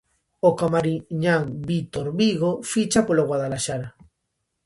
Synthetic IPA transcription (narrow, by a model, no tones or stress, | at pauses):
okamaɾiɲaŋbit̪oɾβiɣofit͡ʃapoloɣwaðalaʃaɾa